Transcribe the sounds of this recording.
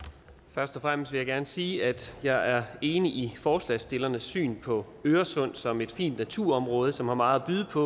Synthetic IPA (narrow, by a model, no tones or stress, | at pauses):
fɶɐsd̥ɒfʁam̰sd̥ʋe̝jɪɡæɐnəsiːæd̥jɑ̈ɪʔæɐe̝ːniʔifɒːslɛsd̥e̝lɐnəsːy̰ːnpʰɒ̽ | øːɐsɔ̽n̰sɒ̽me̝d̥fḭːnd̥næt͡sʰuɐ̰ɒ̽mʁɔ̽ːð̞ˠəsɒ̽mhɑ̈mɑ̈ːð̩ˠb̥yðˠəpʰɒ̽